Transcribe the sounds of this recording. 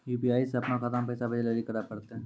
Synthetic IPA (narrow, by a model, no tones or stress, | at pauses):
juːpiaːiseɐpnakʰɐt̪ampɛːsabʱɐd͡ʒɛləlikɐɾakɐɾt̪eɦɛ̃ː